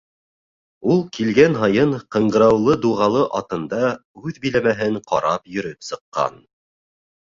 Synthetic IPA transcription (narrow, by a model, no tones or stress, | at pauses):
ulˠkilɡænɦɑjɤɴqɤ̆ɴɢɤ̆ɾɑwlˠɤd̪uʁɑlˠɤʔɑt̪ɤ̆nd̪ɑʉðbĭlæmæɦɘɴqʰɑ̰ɾɑpjɵ̆ɾɘpsɤ̆qːɑ̰n